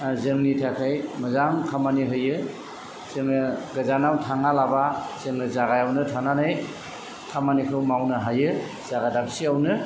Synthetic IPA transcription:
zɯŋnitʰakʰɯjmɐzamkʰamaniɦɯjɯ | z̥ɯŋɯɡazanawtʰaŋalabaz̥ɯŋnɯzaɡajawnɯtʰananɯj | kʰamanikʰɯwmawnɯɦajɯ | z̥aɡadap̚siawnɯ

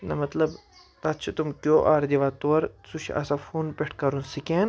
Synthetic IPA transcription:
nɐmɐt̪lɐb | t̪ɐt̪t͡ʃʰɐt̪umkʲjoːʔaːɾd̪iʋaːt̪oːɐɾsuʃʰɐ̰safʰuːnpeʈʰkɐɾunsikeːn

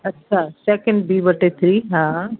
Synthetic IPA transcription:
ɐtːʃʰasekɐ̃ɳɖbiːbɐʈːet̪ʰɾiɦãː

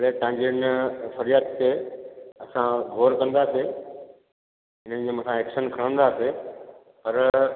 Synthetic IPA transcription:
ɽet̪ãɲd͡ʑiənɪfɐɾijat̪t̪eɐsãɡʱoːɾkɐ̃nd̪aːse | ɦɪnə̃̆d͡ʑemɐ̃sʰãeːkʃənkʰɐɾə̃nd̪aːse | pɐɾ

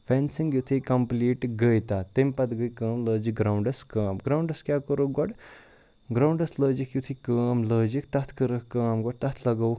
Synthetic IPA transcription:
fɛnsiŋɡjut̪ʰikɐmpliːʈɡəjt̪at̪empɐt̪ɡəjkəːmləːd͡ʒiɡɾawɳɖɐskəːmɡɾawɳɖɐskjakəɾoɡɔɽ | ɡɾawɳɖɐsləːd͡ʒikjut̪ʰikəːmləːd͡ʒikt̪ɐt̪ʰkəɾəkkəːmɡɔɽt̪ɐt̪ʰlɐɡauk

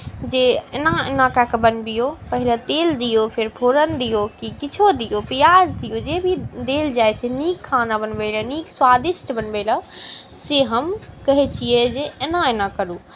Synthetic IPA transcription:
d͡ʒeenãenãkakebənbijopəɦɪlət̪eːld̪ijopʰɪɾpʰoːɾənd̪ijokikɪt͡ʃʰod̪ijopijaːd͡ʒd̪ijod͡ʒebʱid̪eːld͡ʒaːjt͡ʃʰeniːkʰːaːnabənbeːləniːkswaːd̪ɪʃʈbənbeːlə | seɦəmkɐɦɛt͡ʃʰied͡ʒeenãenãkəɾuː

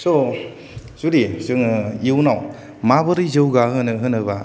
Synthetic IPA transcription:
sɔ | zuɾizɯŋiwnaw | mabɯɾizɯwɡahɯnɯɦɯnɯba

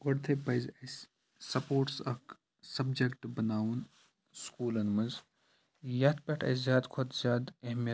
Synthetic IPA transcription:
ɡoɽt̪ʰepɐjzɐs | sɐpoːɾʈsɐk | sɐbd͡ʒɐkʈbɐnaːun | skuːlɐnmɐz | jɐt̪̚ʰpʲeʈʰɐ̰szjaːd̪kʰot̪zʲjaːd̪ɐɦmjɐ

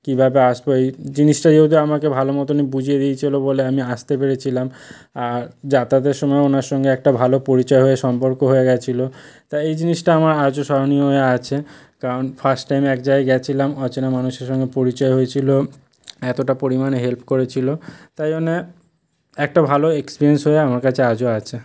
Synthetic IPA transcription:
kibʱabeaʃboejd͡ʑiniʃʈad͡ʑeud̪iamakebʱalomɔt̪onibud͡ʑʱied̪ijt͡ɕʰiloboleamiaʃt̪epeɾet͡ɕʰilam | aɾd͡ʑat̪ad̪eɾʃɔmɔeonaɾʃɔŋɡeɛk̚ʈabʱalopoɾit͡ɕɔeɦoeʃɔmpoɾkoɦoeɡɛt͡ɕʰilot̪ajejd͡ʑiniʃʈaamaɾad͡ʑoʃɔɾonioɦoeat͡ɕʰe | kaɾonfʰasʈʈːajmɛkd͡ʑaeɡɛt͡ɕʰilamɔt͡ɕenamanuʃeɾʃɔŋɡepoɾit͡ɕɔeɦoet͡ɕʰilo | ɛt̪oʈapoɾimaneɦelpkoɾet͡ɕʰilot̪ajone | ɛk̚ʈabʱaloekspiɾiensɦoeamaɾkat͡ɕʰead͡ʑoat͡ɕʰe

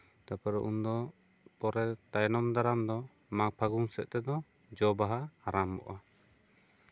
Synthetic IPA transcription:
t̪apɛɾɔʔund̪ɔ | pɔɾɛt̪ajnɔmd̪aɾamd̪ɔ | mak̚pʰaɡuŋsɛʔ̚t̪ɛd̪ɔ | d͡ʒɔbaɦaaɾambɔ̰ʔa

